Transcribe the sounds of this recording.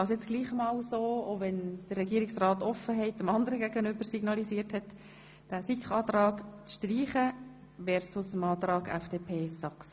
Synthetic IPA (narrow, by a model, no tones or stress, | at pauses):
ɑsjɛt͡sɡ̥liːχmɑːlsoːovɛnd̥ərːɛɡiəɾiksrɑːtɔfːəɦɛɪt̚dəmɑndəɾəɡæɡənʏbəɾsiɡ̥nɑliziːəɾthɛt | d̥æːsikχɑːt̪ɾɑːkt͡sʃtriːχə | ʋɛɾsʊsəmɑːt̪ɾɑːɡɛ̰fd̥eːpʰeːsɑks